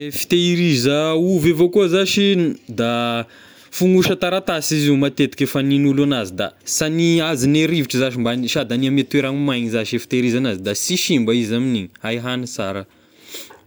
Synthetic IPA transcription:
efi̥t̪eiɾizəuvevokuəzaʃid̪a | fuŋuʃət̪aɾat̪asiziumat̪et̪i̥kʲefəninulanazid̪a̰saniazineɾiviʈ͡ʂizaʃimbanʃiad̪aniamet̪ueɾaŋimajɲizaʃefi̥t̪eiɾizanazid̪asiʃimbaizaminiɲihajɦanisaɾə

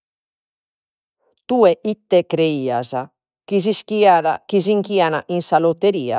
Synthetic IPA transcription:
t̪uːɛʔit̪ːɛkɾeiːa̰za | k̟iziskiaɾa̰kiziŋkianaʔinsalot̪ːeɾiːa̰

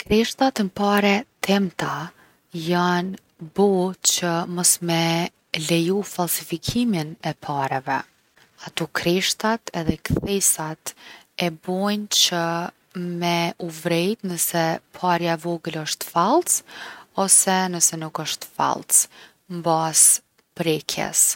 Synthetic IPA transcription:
kɾɛʃt̪at̪əmpaɾɛt̪ʰɛmt̪a | jan | bɔt͡ʃəmɔsmɛ | lɛjufalˠsifikʰiminɛpʰaɾɛvɛ | at̪ukʰɾɛʃt̪at̪ʰɛðɛkθɛsat̪ | ɛbɔjnt͡ɕə | mɛuvɾɛjt̪nəsɛpʰaɾjavɔɡələʃt̪falˠsɔsɛnəsɛnukəʃt̪fa̰lˠs | mbas | pɾɛkʰjɛ̰s

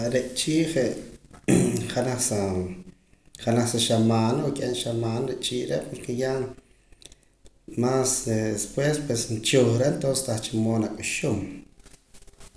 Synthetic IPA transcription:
ɾeʔt͡ʃiːʔχeʔ | χanaχsa | χanaχsaʃamaːnakʼenʃamaːnɾeʔt͡ʃiːʔɾeʔpoɾkeja | maːsespwespwesnt͡ʃuχɾeʔnt̪onse̥st̪aχt͡ʃimoːnakʼuʃum

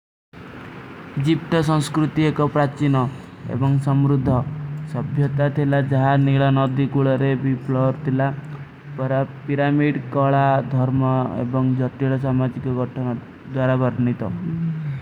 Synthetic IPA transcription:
d͡ʒip̚t̪ɔsɔ̃ŋ̃skɾut̪iekɔpɾat͡ʃinɔ | ḛbɔŋsɔmɾud̪ʱːɔsɔbʱjɔt̪at̪ʰilad͡ʒɔɦaniɭɔnɔd̪ikuɭɔɾebiplɔɾt̪ʰila | pɔɾapiɾamiɖkɔɭad̪ʱɔɾmɔḛbɔŋd͡ʒɔt̪iɭɔs̬amad͡ʒikɔɡʱɔʈʰɔn | d̪waɾabɔɾnit̪ɔ

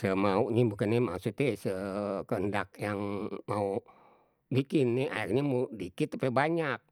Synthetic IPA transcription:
səmauʔɲebukanemasut̪esəkəndak̚jaŋmau | bikɪnːɪʔa̰arɲamudikɪt̪apebaɲak̚

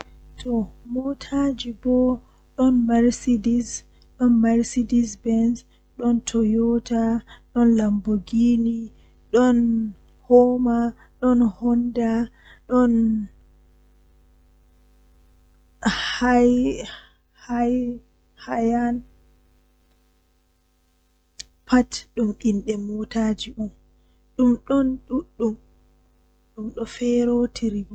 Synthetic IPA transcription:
tʰɔmɔtʰad͡ʒibɔ | ɗɔnmaɾsidis | ɗɔnmaɾsidisbɛns | ɗɔntʰɔjɔtʰaɗɔnlamboɡini | ɗɔn | hɔma | ɗɔnhɔnda | ɗɔn | haj | haj | hajan | pʰatɗumʔinɗɛmɔtaːd͡ʒiʔum | ɗumɗɔnɗuɗːum | ɗumɗɔfɛɾotʰiɾib

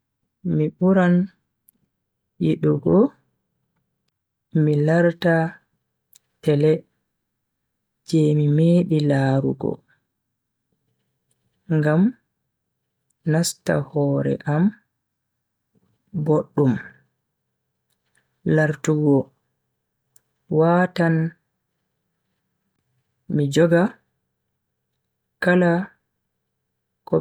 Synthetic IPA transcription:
miɓuɾan | jiɗɔɡɔ | milaɾta | tɛlɛ | d͡ʒɛmimeːɗilaːɾṵɡɔ̰ | ŋɡam | nasta̰hɔːɾɛ̰ʔam | boɗːum | laɾtuɡɔ | waːtan | mid͡ʒɔɡa | kala | kɔ

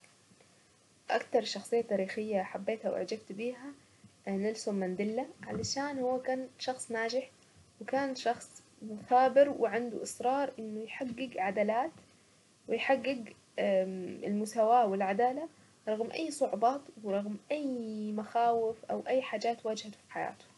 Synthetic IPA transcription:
ʔa̰kt̪ɑɾˤʃɑxsˤɨjːat̪aːɾiːxɪjːaħabːeːt̪hawʔa̰ʕd͡ʒabt̪biːɦa | nɪlsʊmːand̪ɪlːaʕalaʃaːnhʊwːakaːnʃɑxsˤnaːd͡ʒɪħ | wɪkaːnʃɑxsˤ | mʊθaːbɪɾwɪʕand̪uʔɪsɾˤɑːɾˤʔɪnːʊjħaɡːɪɡʕad̪aːlaːt̪ | wɪjħaɡːɪɡ | ɪ̰lmʊsaːwaːwɪlʕad̪aːla | ɾˤɑɣmʔa̰jːsˤʊʕʊbɑːt̪wɪɾˤɑɣmʔajmaxaːwɪfʔawʔajːħaːd͡ʒaːt̪waːd͡ʒhafi̥ħaja̰ːt̪ʊ̥

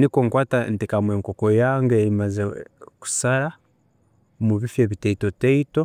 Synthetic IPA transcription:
nikoŋkwaːtantikamweːŋkokojaŋɡeimazeku̥saɾa | muβifjeβiteitoteito

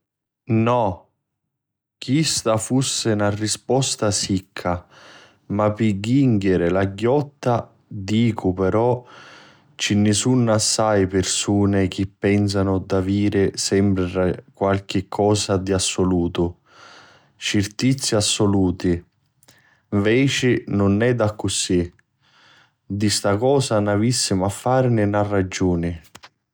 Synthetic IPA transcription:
nɔ | kist̪afusːɪnarispɔst̪asikʰːa | mapiɡːiŋɡeɾɪlaɡːɔt̪ːa | d̪iːkʰʊpeɾɔ | t͡ʃinːɪsunːasːajpɪrsuːnɪk̟ɪpːɛns̬anʊd̪aviːɾɪsɛmpɾɪakwalk̟ɪkʰːɔːsad̪iasːʊluːt̪ʊ | t͡ʃirt̪it̪sːiasːʊluːt̪i | ɱvɛːt͡ʃɪnʊnːɛd̪akːʊsi | d̪ist̪akɔːsanavisːimafːaːɾnɪnarːad͡ʒːuːnɪ

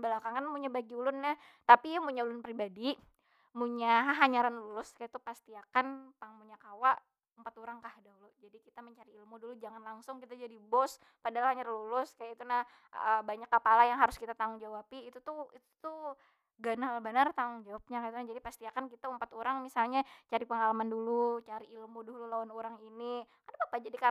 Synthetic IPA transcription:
bəlakaŋkanmuɲabaɡiulʊnːaht̪apijamuɲaulʊnpɾibadi | muɲaɦaɦaɲaɾanlulʊskajait̪upast̪iakanpaŋmuɲakawaʔ | umpat̪oɾaŋkahdaɦulʊd͡ʒadikit̪aməɲt͡ʃaɾiːlmudulud͡ʒaŋanlaŋsʊŋkit̪ad͡ʒadibɔs | padalahaɲaɾlulʊskajait̪unah | əbaɲakːəpalajaŋɦaɾʊskit̪at̪aʊŋd͡ʒawapiːt̪ut̪uit̪u̥t̪u | ɡanalbənart̪aʊŋd͡ʒawap̚ɲakait̪unad͡ʒadipast̪iakankit̪aumpat̪oɾaŋmisalɲat͡ʃaɾipəŋalamandulut͡ʃaɾiilmudoɦululawanoɾaŋinikanabapad͡ʒadika

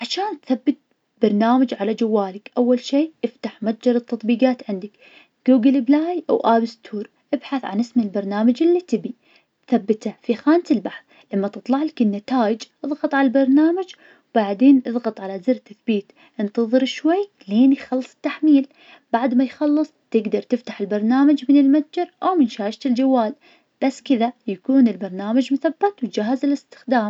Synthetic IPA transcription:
ʕaʃaːnt̪θabːɪt̪̚ | b̥ɑɾˤnaːmad͡ʒʕalad͡ʒawːaːlɪkʔawːalʃiːʔɪft̪aħmat̪̚d͡ʒɑɾˤɨt̪ːɑt̪ˤbiːɡɑːt̪ʕɪnd̪ak | ɡ̥uːɡɪlblaːjʔa̰wʔaːbɪst̪ʰuːɾ | ʔɪbħaθʕa̰nɪsmɪlbɑɾˤnaːmad͡ʒɪlːit̪ɪbi | θabːɪt̪afixaːnt̪ɪlbaħθ | lamːat̪ɨt̪ˤlɑʕlɪkɪnːɪt̪aːjɪd͡ʒʔɨðˤɣɑt̪ˤʕalalbɑɾˤnaːmad͡ʒ | wb̥aʕd̪eːnʔɨðˤɣɑt̪ˤʕalazɪɾt̪aθbiːt̪ | ʔɪnt̪ɑðˤɨɾɪʃwajː | leːnjxɑlːɨ̥sˤɨ̥t̪ːaħmiːl | b̥aʕd̪majxɑlːɨsˤt̪ɪɡd̪ɑɾˤt̪ɪft̪ḁħɪlbɑɾˤnaːmad͡ʒmɪnɪlmat̪̚d͡ʒɑɾʔawmɪnʃaːɪʃt̪ɪld͡ʒawːaːl | b̥asːkɪðajakuːnɪlbɑɾˤnaːmad͡ʒmʊθabːat̪wt̪d͡ʒaːhːazɪlɪst̪ɪ̥xd̪aːm

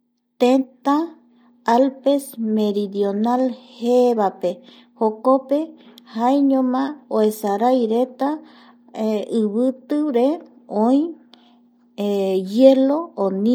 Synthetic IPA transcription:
t̪ent̪a | alpesmeɾiðjonalheβape | hokopehaeɲõmãoesaɾajɾet̪a | ɨβɨt̪ɨɾe | õĩj̃ | ejeloːnĩ

